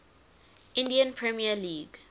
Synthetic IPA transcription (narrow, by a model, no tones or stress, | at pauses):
ʔɪ̃ndiə̃npʰɹɛmiəliːɡ